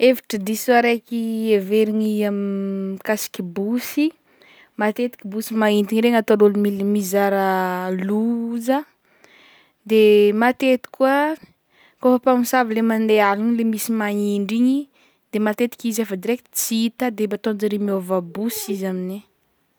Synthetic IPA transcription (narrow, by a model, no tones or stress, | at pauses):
evi̥ʈ͡ʂəd̪isuaɾekieveɾiɲiamikasi̥kʲibusi | mat̪et̪i̥kʲibusimaint̪iɲiɾeŋat̪oɾolmilmizaɾəluzə | d̪emat̪et̪i̥kʲua | kofapamisavilemand̪ealuɲilemisimaiɳɖ͡ʐiɲi | d̪emat̪et̪i̥kʲizefad̪iɾekʲit͡siit̪ad̪ebat̪ond͡ʒaɾimiovabusizamini